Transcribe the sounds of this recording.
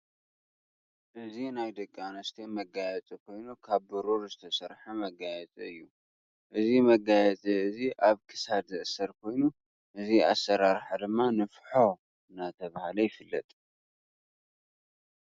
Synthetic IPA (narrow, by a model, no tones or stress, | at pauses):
ʔɨzinajd̪ɐkʼːanɐst̪ʰemɐɡajɛt͡sʼikʰo̞jnukʰaβbɨɾuɾzɨt̪ʰɐsɐɾħamɐɡajɛt͡sʼiɨjːu | ʔɨzimɐɡajɛt͡sʼiɨziʔaβkʰɨ̥sad̪zɨʔsɐɾkʰo̞jnu | ʔɨzia̰sːɐɾaɾħad̪ɨmːanɨfħo̞ | ɨnːat̪ʰɐβahalɐjɪfɨlːɐt̪ʼ